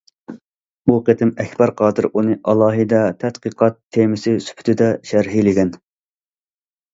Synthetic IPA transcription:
buqʰet̪ʰɪmɛkʲbɑɾqʰɑːd̪ɨɾunɨʔɑlˠɑːɦɨd̪ɛt̪ʰɛt̪qəqʰɑt̪ʰːemɪsɪsy̥pʰy̥t̪ʰɪd̪ɛʃæɾɦilɪɡʲɛn

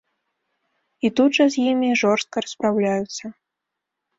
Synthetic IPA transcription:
it̪ud̪ʐɐzʲjimʲiʐɔrst̪̚kɐɾɐspɾawlʲajut̪sɐ

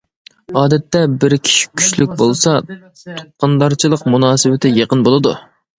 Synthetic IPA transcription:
ɑːd̪ɛt̪ːɛbɪɾkʲʰi̥ʃi̥kʲʰy̥ʃlyk̚ʲbolˠsɑ | t̪ʰo̥t̚qːɑnd̪ɑɾt͡ʃʰilˠəqmunɑːsɨwɪt̪ʰɪjeqənbolˠɨd̪u

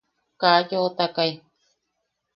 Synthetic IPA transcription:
kajot̪akaj

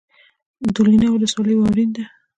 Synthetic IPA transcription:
d̪ulinawʊləswɑləjwɑwɾind̪a

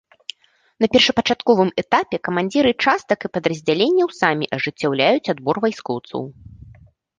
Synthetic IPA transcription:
n̪ɐpʲɛrʂɐpɐt͡ʂat̪kɔvɨmɛt̪apʲɛkɐmanʲd͡zʲiɾɨt͡ʂast̪ɐkɨpɐd̪ɾɐzʲd͡zʲalʲenʲːɐwsamʲiʔɐʐɨt͡sʲːawlʲajut͡sʲad̪bɔrvajskɔwt̪sɐ̰w

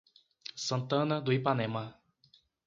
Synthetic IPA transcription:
sɐ̃nt̪ɐ̃nɐd̪ʊipanẽmɐ

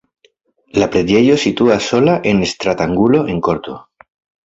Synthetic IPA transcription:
lapɾed̪e̞josit̪uaso̞laʔe̞nest̪ɾat̪aŋɡulo̞ʔeŋko̞ɾt̪o̞̰

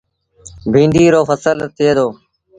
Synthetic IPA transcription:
bʱĩːnd̪iːɾoːfəsəlt̪ʰːɪeːd̪oː

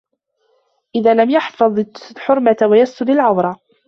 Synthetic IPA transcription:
ʔɪðaːlamjaħfɑðˤħʊɾˤmat̪wajast̪ʊd̪alʕawɾˤɑ

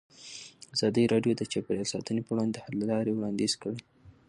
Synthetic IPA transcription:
azɑd̪əjɾɑɖjod̪ət͡ʃapeɾjɑlsɑt̪ənepəwɽɑnd̪ed̪əhad̪lalɑɾewɽɑnd̪ezkəɽe

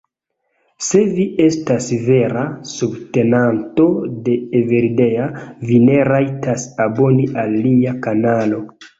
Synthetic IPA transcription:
se̞vie̞stasve̞ɾasubte̞nanto̞de̞ːve̞ɾide̞avine̞ɾajtasabo̞niʔalːiakanalo̞

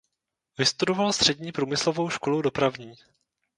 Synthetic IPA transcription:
vɪst̪udovalst̪r̝̥ɛdɲiːpɾuːmɪslovo̞wʃkolowdo̞pɾavɲiː

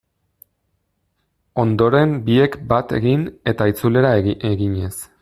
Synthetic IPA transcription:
o̞nd̪o̞ɾe̞mbie̞kbat̪e̞ɣine̞t̪ait͡sule̞ɾaeeɣiɲe̞s

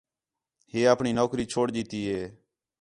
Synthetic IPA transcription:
heːaːpɳiːnoːkɾiːt͡ʃʰoːɽd͡ʒiːt̪iːɦeː

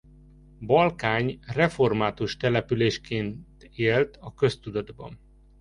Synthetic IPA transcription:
bɒlkaːɲrɛfo̞rmaːt̪uʃt̪ɛlɛpyleːʃkeːnt̪eːlt̪ʰɒkø̞st̪ud̪ɒd̪bɒ̰n

